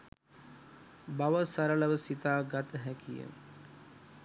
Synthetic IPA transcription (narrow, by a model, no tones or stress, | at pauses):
baʋəsaɾələʋəsit̪aːɡat̪əɦækijə̰